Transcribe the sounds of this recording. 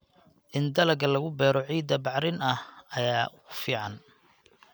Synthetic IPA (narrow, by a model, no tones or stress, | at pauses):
ʔɪnd̪ɐlɐɡɐlɐɣʊbɛːɾɔʕiːd̪ɐbɑʕɾɪnɐhɐjaːɣʊfiːʕɑn